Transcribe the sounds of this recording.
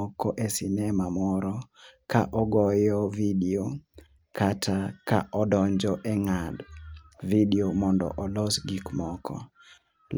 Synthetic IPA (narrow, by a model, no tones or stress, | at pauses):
ɔkʰɔʔɛsinɛmamɔɾɔkaʔɔɡɔjɔvideo | kʰatʰaka̰ʔɔdɔɲd͡ʒɔʔɛŋadvideomɔndɔ̰ʔɔlɔsɡikmɔkʰɔ̰ | l